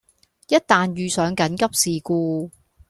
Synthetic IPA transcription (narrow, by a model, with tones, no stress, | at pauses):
jɐ˥t̚t̪aː˨njyː˨sœː˨˥ŋkɐ˨˥nkɐ˥p̚siː˨kuː˧